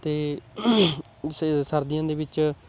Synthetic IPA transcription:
t̪eː | ssəɾd̪ɪjãːd̪eːbɪt͡ʃ

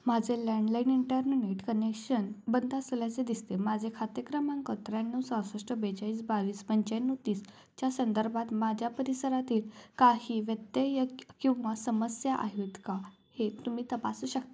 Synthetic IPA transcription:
mad͡zʱeləɳɖlainiɳʈəɾnneʈkənekɕənbənd̪asljat͡sed̪ist̪emad͡zʱekʰat̪jəkɾəmãŋkət̪ɾanːəwsãwsɾəʂʈəbed͡ʑaiːsbaʋiːspəɲt͡ɕajnːət̪iːs | t͡ɕjasənd̪əɾbʱat̪mad͡ʑʱjapəɾisəɾat̪iːlkaɦiːʋjət̪ːjəjəkĩw̃ʋasəməsjaʔa̰ɦjut̪ka | het̪um̤iːt̪əpasuːɕək̚t̪a

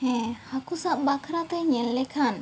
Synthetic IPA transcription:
hɛ̃hakusaʔbakʰɾat̪ɛɲɛllɛkʰan

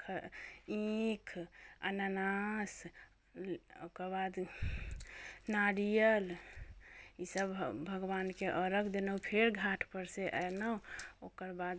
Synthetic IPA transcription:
kʰĩkʰə̰nanas | okəɾbad̪ | naɾijəl | isəbbʱəɡbankeʔəɾəkʰd̪enəwpʰeɾɡʱaʈʰpəɾseʔənəokəɾbad̪

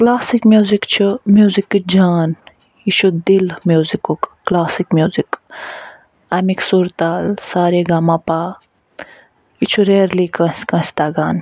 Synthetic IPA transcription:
klaːsikmjuːzikt͡ʃʰumjuːzikd͡ʒaːn | it͡ʃʰud̪ilmjuːzikukːlaːsikmjuːzik | amiksuɾt̪aːlsaːɾeɡaːmapaː | it͡ʃʰuɾeːɾlikɐ̃skɐ̃st̪aːɡaːn

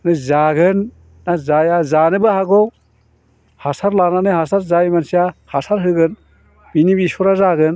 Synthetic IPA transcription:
nɯzaɡɯnː | azajazanɯbaɦaɡɔw | hasaɾlananɯɦhasaɾzajmansijahasaɾɦɯɡɯn | binibisɔɾazaɡɯn

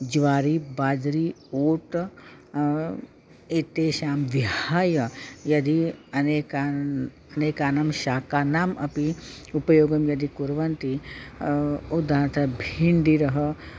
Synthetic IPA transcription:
d͡ʒʋaːɾibaːd͡ʒɾioːʈ | et̪eːʃaːmʋiɦhaːjɐjɐd̪ʱiɐneka | ɐneːkaːnɐmʃaːkaːnaːmɐpi | upɐjoːɡɐmjɐd̪ikuɾʋɐnt̪i | ud̪ʱaːt̪ɐbʱiɳɖiɾɐɦɐ

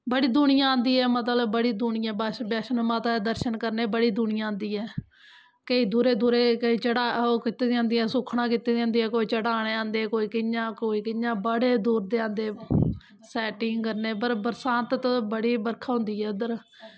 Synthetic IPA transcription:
bəɽiːd̪uɳɪjãːãːnd̪iːɛːmət̪ləbbəɽiːd̪uːɳɪjãːbɛbɛːʃənmaːt̪aːed̪əɾʃənkəɾneːbəɽiːd̪uɳɪjãːãːnd̪iːɛː | kəiːd̪uːɾeːd̪uːɾeːkəiːt͡ʃəɽaːoːkɪt̪eːd̪iãːnd̪iːaːsʊkʰɳãːkɪt̪eːd̪ãːnd̪iːɛːkoːiːt͡ʃəɽaːɽ̃eːãːnd̪eːkoːiːkɪɲãːkoːiːkɪɲãːbəɽeːd̪uːɾd̪eːãːnd̪eː | sɛːʈɪ̃ŋɡkəɾneːp̬əɾbəɾsãːnt̪t̪ːbəɽiːbəɾkʰaːɦʊ̃nd̪iːɛːʊd̪əɾ

